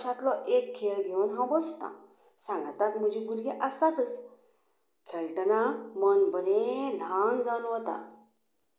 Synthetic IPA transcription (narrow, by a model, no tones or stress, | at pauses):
sat̪lɔʔekkʰːeɭɡʱewnɦãbəst̪ã̰ | sãŋɡt̪at̪m̤əd͡ʑiɡuɾɡiʔəst̪at̪ət͡s | kʰeɭʈənamənbəɾẽlãŋɡd͡zanoʋət̪a̰